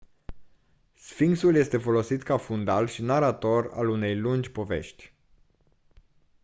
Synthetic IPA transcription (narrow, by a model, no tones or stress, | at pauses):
sfiŋɡsulje̞st̪e̞fo̞lo̞sit̪kafund̪alʃinaɾat̪o̞ra̰lune̞jlund͡ʒʲpo̞ve̞̰ʃt̪ʲ